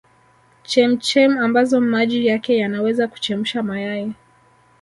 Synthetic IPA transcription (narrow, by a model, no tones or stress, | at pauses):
t͡ʃɛm̩t͡ʃɛmambazɔmaʄijakɛjanawɛzaku̥t͡ʃɛm̩ʃamajajɛ